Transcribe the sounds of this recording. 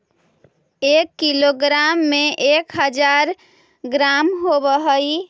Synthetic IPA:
ekːiloɡɾamːeʔekɦəd͡ʒaɾ | ɡɾamɦobəɦəj

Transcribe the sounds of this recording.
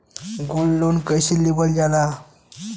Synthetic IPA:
ɡolːonkəjɕilibəld͡ʑala

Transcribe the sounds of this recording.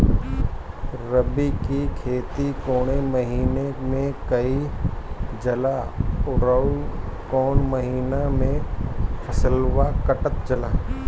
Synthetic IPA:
ɾəbikikʰeːt̪ikoːɽ̃emɐɦiːnemẽkəi | d͡ʒɐlaʊɾəukɔːnməɦiːnamẽpʰəsəlwakəʈət̪d͡ʒɐlaː

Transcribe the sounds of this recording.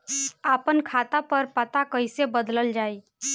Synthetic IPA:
apənkʰat̪apəɾpət̪akəjsebəd̪ləld͡ʒai

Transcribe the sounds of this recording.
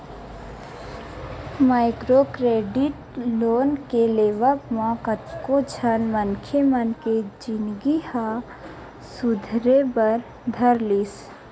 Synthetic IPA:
maːɪkɾokɾeːɖɪʈ | loːnkeleːʋəpmãkət̪kot͡ʃʰənmənkʰemənked͡ʒɪnɡiha | sʊd̪ʱɾebəɾ | d̪ʱəɾliːs

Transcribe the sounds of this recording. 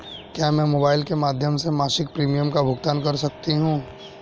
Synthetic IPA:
kjaːmɛ̃ːmoːbaːɪlkemaːd̪ʱjəmsemaːʃɪk̚pɾiːmijəmkabʱʊɡt̪aːnkɐɾsɐk̚t̪iɦũː

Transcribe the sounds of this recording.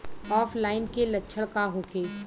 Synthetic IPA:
ɔːfʰlaːɪnkelɐtːʃʰəɭkaɦoːkʰeː

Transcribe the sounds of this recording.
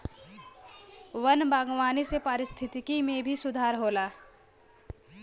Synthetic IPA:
wənbaːɡwaːnisepəɾɪst̪ʰɪt̪ikimẽbʱisʊd̪ʱaːɾɦoːlaː

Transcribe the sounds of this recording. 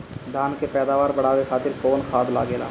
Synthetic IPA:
d̪ʱaːnkepɛːd̪aːʋaːɾbəɽaːʋekʰaːt̪ɪɾkoːnkʰaːd̪la̰ːɡeːlaː

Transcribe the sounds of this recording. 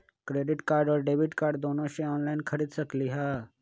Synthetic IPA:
kɾeːɖɪʈkaːɾɖɔːɾɖeːʋiʈkaːɾɖd̪oːnõʃẽɔːnlaɪnkʰəɾiːd̪səkliɦaː

